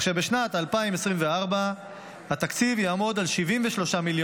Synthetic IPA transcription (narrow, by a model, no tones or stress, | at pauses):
χʃebeʃnat̪alpaimesʁimveaʁba | hat̪akt͡sivjaːmo̞d̪alʃivimveʃlo̞ʃamiljo